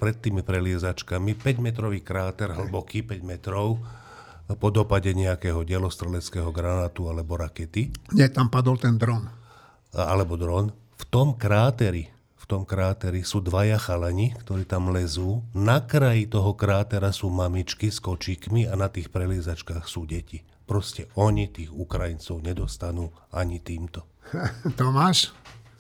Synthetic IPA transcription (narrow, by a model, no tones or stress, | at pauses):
pɾɛt̪ːiːmipɾɛlɪɛzat͡ʃkamipɛɟmɛt̪̬ɾɔʋiːkɾaːt̪ɛɾɦl̩bɔkiːpɛɟmɛt̪ɾɔʊ | pɔd̪ɔpaɟɛɲɛakɛːɦɔɟɛlɔst̪ɾɛlɛt͡skɛːɦɔɡɾanaːt̪ualɛbɔɾakɛt̪iɲɛt̪ampad̪ɔlt̪ɛnd̪ɾɔn | a̰lɛbɔd̪ɾɔn | ft̪ɔmkɾaːt̪ɛɾi | ft̪ɔmkɾaːt̪ɛɾisuːd̪ʋajaxalɛɲikt̪ɔɾiːt̪amlɛzuːnakɾajit̪ɔɦɔkɾaːt̪ɛɾasuːmamit͡ʃkiskɔt͡ʃiːkmianat̪iːxpɾɛliɛzat͡ʃkaːxsuːɟɛci | pɾɔscɛʔɔɲit̪iːɣukɾajint͡sɔʊɲɛd̪ɔst̪anuː | aɲit̪iːmt̪ɔ | t̪ɔmaːʃ